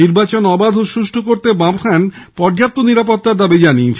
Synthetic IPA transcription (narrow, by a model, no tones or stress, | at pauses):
iɾbat͡ɕonɔbad̪ʱoʃuʃʈʰokoɾt̪ebamkʰanpɔɾd͡ʑapt̪ːoniɾapot̪ːaɾd̪abid͡ʑaniet͡ɕʰ